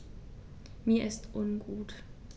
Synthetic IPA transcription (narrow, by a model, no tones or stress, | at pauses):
miːɐʔɪstʔʊnɡuːt